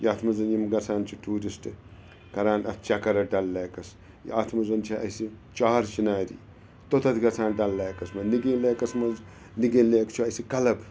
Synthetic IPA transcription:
jiɐːt̪ʰmɐzɐnjimɡɐt͡sʰaːnt͡ʃʰiʈuːɾisʈɨ | kɐɾaːnɐt̪t͡ʃakɐɾɐɖɐlːeːkɐs | jḭaːt̪ʰmɐzɐnt͡ʃʰɐɐ̰sit͡ʃaːɾt͡ʃinaːɾḭː | t̪ot̪ɐt̪ʰɡɐt͡sʰaːnɖɐlːeːkɐsmɐniɡĩːleːkɐsmɐz | niɡĩːleːkt͡ʃʰuɐsikɐlɐb

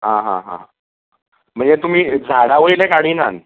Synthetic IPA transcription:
ɦãɦã̰ɦã̰ | m̤əɳd͡zet̪um̤iːd͡zʱaɽaʋəjlekaɽ̤iːnan

